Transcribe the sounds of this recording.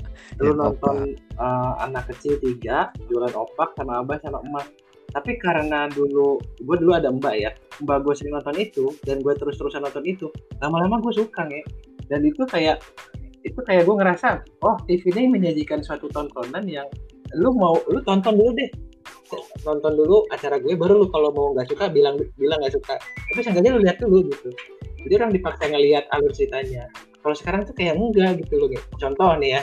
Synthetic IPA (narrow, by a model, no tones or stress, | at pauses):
dəlunɔnt̪ɔnəa̰nakːət͡ʃɪlt̪iɡaʔəd͡ʒualanopak̚samaːbasamaəma | t̪apikaɾənaduluɡuaduluadaəmbajaəmbaʔɡuasəniŋnɔnt̪ɔnit̪udanɡuat̪əɾʊst̪əɾusahnɔnt̪ɔnit̪ulamalamaɡuas̬ukaŋjɛdanit̪ukajaʔit̪ukajaʔɡuaŋəɾasaɔht̪ifinɪməɲad͡ʒikansuat̪ut̪ɔnt̪ɔnanjaŋlʊmaulʊt̪ɔnt̪ɔnduludɛhsənɔnt̪ɔnduluat͡ʃaɾaɡuɛbəɾulʊkalomauŋɡaʔsukabilaŋdbilaŋɡaʔsukat̪apisəŋɡaɲalʊliɦat̪̚duluɡit̪ud͡ʒadiuɾaŋdipaksaŋəliat̪̚alʊrt͡ʃit̪aɲa | kalosə̥kaɾaŋt̪ukajaʔəɡaɡit̪ulʊɡɛt͡ʃɔnt̪ɔhnɪja